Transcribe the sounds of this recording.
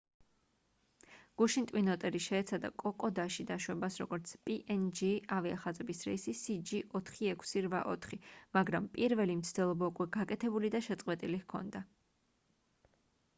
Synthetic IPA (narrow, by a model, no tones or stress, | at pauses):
ɡ̥uʃint̪ʼwinɔt̪ʼɛɾiʃɛːt̪sʰad̪a̰kʼɔkʼɔd̪aʃid̪aʃwɛbasɾɔ̰ɡɔɾt̪sʰpʼiʔɛnd͡ʒiaviaχazɛbisɾɛsisid͡ʒiʔɔt̪ʰχiɛkʰsiɾvaʔɔ̰t̪ʰχimaɡɾampʼiɾvɛlimt̪sʰd̪ɛlˠɔbaukʼwɛɡakʼɛt̪ʰɛbulid̪aʃɛt̪sʼqʼwɛt̪ʼiliɣkʰɔ̰nd̪a